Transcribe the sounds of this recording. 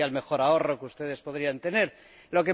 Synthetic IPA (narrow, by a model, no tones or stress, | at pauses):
alme̞xo̞ɾao̞ro̞kust̪e̞ðe̞spo̞ð̞ɾiant̪e̞ne̞ɾ | lo̞k̬e